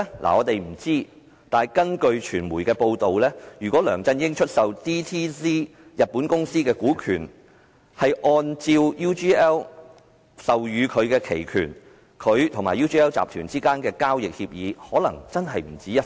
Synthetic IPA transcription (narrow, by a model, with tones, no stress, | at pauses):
lʔa̰ː˨˩ɔː˨˧t̪e˨jm̩˨˩t͡siː˥ | t̪aː˨jkɐ˥nkɵ˧ɥt͡ʃʰyː˨˩nmuː˨˩jkɛː˧po˧wt̪o˨wlɛː˥jyː˨kʷwɔː˨˥lœː˨˩ŋt͡sɐ˧njɪ˥ŋt͡ʃʰɵ˥t̚sɐ˨wt̪ʰiː˥t̪ʰiː˥siː˥ | jɐ˨t̚pːu˨˥nkʊ˥ŋsiː˥kɛː˧kuː˨˥kʰyː˨˩n | hɐ˨jʔɔː˧nt͡siː˧wjuː˥t͡ʃiː˥ɛː˥w | sɐ˨wjyː˨˧kʰɵ˨˧ɥkɛː˧kʰe˨˩jkʰyː˨˩n | kʰɵ˨˧ɥt̪ʰʊ˨˩ŋmaː˨˩juː˥t͡ʃiː˥ɛː˥wt͡sa̰ː˨p̚t̪ʰyː˨˩nt͡siː˥kaː˥nkɛː˧kaː˥wjɪ˨k̚hi˧p̚jiː˨˧hɔː˨˥lɐ̰˨˩ŋt͡sɐ˥nɦɐ˨jm̩˨˩t͡siː˨˥ɐ˥